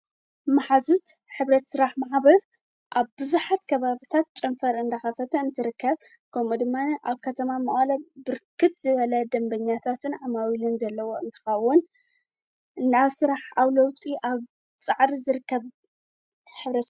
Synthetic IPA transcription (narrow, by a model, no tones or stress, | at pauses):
maħazut̪ħɨβɾɐt̪sɨɾaħmaʕβɐɾ | ʔaβbɨzuħat̪kʰɐβaβit̪ʰat̪̚t͡ʃʼɐmfɐɾɨnd̪ɐxɐfɐt̪ʰɐɨnt̪ʰɨɾɨkːɐβ | kʰɐmud̪ɨmːanʔaβkʰɐt̪ʰɐmamɐχʼlɐbɨɾkʰɨt̪zɨβɐlɐd̪ɐmbɐɲːat̪ʰat̪ʰɨnʕamawilɨnzɐlːɐwo̞ɨnt̪ʰɨ̥xɐwːʊn | ʔɨnaβsɨɾaħawlɐwt̪ʼiʔaβ | t͡sʼaʕɾizɨɾɨkːɐβ | ħɨβɾɐ